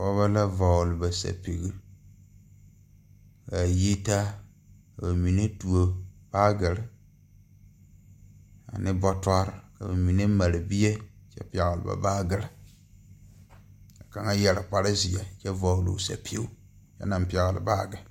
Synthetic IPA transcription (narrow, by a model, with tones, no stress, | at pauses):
fɔ˦βa˦la˦va˨lɨ˨ba˨sa̰˨pi˨ɣi˦ | ka˨ji˦ta˦ | ka˨ba˨mi˨ne˦tu˨o˨b̥aː˦ɡɪ˨lɪ˨ | a̰˨nɪ˦bɔ˦ta˦ɾka˨ba˨mi˨ne˦ma˨ɾɪ˨bi˦je˦t͡ʃɛ̰˦pɛ˨ɣɪ˨lɪ˨ba̰˨baː˦ɡɪ˨lɪ˨ | ka˨ka˨ŋa˦jɛ˨lɪ˨k͡pa˨ɾɪ˦zɪ˨jɛ˨t͡ʃɛ˦va˨wlṵ˨sa̰˨pi˦o˦ | t͡ʃɛ̰˦na˨mpi˨ɛ˨ɣɪ˨lɪ̰˨ba˦˨ɡɪ˨